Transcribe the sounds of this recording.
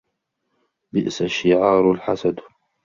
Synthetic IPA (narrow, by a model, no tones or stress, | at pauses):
bɪʔsaʃːɪʕɑːɾlħasad̪